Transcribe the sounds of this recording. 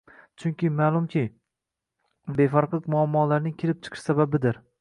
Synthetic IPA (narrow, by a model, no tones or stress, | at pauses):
t͡ʃʰʊŋkʲɪmaːlˠʊmkʲʰɪ | be̞faɾqlˠɪkʲmʊamːɒːlaɾnɪŋkʲʰelɪp̚t͡ʃʰɨ̥qʰɨʃsababɪd̪ɪɾ